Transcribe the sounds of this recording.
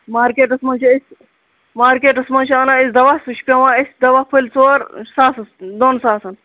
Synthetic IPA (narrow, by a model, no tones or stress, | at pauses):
maːɾkeːʈɐsmɐnt͡ʃʰiisʲ | maːɾkeːʈɐsmɐnt͡ʃʰiɐnaːisd̪ɐʋasut͡ʃʰpʲɐwãːisʲd̪ɐʋaːpʰɨlʲt͡soːɾsaːsɐsd̪onsaːsɐn